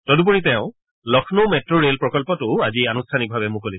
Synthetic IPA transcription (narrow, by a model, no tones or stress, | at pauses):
tɔdup̬oɹitɛʊ̃ | lɔkʰnomɛtɹoɹelpɹɔkɔlpɔtʊazianustʰanik̚bʱabɛmʊkolis